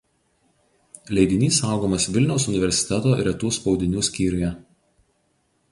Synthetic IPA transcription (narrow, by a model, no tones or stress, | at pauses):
lʲɛɪd̪ʲɪnʲiːsɑˑʊɡoːmɐsʋʲɪlʲnʲɛʊsʊnʲɪʋʲɛɾʲsʲɪ̥t̪ʲɛt̪oːɾʲɛt̪uːspɒʊd̪ʲɪnʲuːsʲkʲiːɾʲʊjɛ